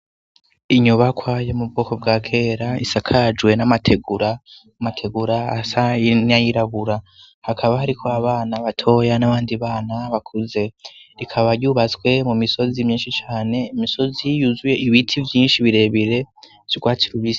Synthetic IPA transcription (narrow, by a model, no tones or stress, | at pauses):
iɲuβakwajomub̚ɡoːko̞b̚ɡaːkʰe̞ːɾaisakʰad͡ʒwe̞namatʰeɡuɾa | matʰe̞ɡuɾaːsainajiɾaβuɾa | hakʰaβahaɾikʰo̞aβaːnaβatʰo̞janaβaːndiβaːnaβakʰuze̞ɾikʰaβaɾjuːβat͡swe̞mumiso̞zimɲiːnʃit͡ʃaːne̞imiso̞zijuzuje̞iβitʰivjiːnʃiβiɾe̞βiɾe̞ | z̥oɡwaːtiɾuβis